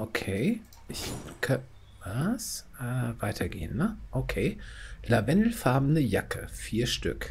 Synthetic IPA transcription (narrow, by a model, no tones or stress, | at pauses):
ʔokʰeː | ʔɪçkʰa | vasʔɛvaɪtʰɐɡḛːənːəʔokʰeːlavɛndl̩faɐbn̩dəjakʰə̰fiːɐʃtʏ̰k